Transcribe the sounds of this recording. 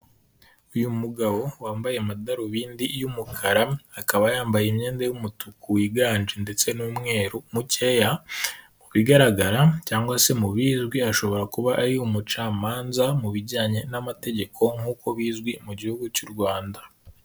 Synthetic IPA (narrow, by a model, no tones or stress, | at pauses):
ujumuɡaβo̞waːmbajeamadaɾoβiːndijumukʰaɾaakaβajaːmbajemɲe̞ːndejumutukuwiɡaːnd͡ʒende̞t͡se̞nuːmŋe̞ːɾomuce̞jamuβiɡaɾaɡaɾacaːŋɡwase̞muβiːzɡwiaʃo̞βo̞ɾakuβaʔaɾiumut͡ʃaːmaːnzamuβiɾɟaːɲe̞namate̞ɟe̞kʰo̞ŋ̥uːko̞βiːzɡwimuɟihuɡucuɾɡwaːnda